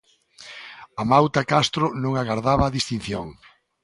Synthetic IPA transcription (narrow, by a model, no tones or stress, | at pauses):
amawt̪akast̪ɾʊnõŋaɣaɾðaβɐːðist̪in̟θjoŋ